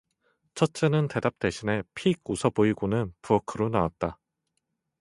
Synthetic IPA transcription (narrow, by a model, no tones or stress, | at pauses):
t͡ɕʰʌt̚t͡ɕ͈enɯnte̞dap̚t͈e̞ɕʰine̞pʰiɡ̚usʰʌboiɡonɯnpuʌkʰɯɾonawat̚t͈a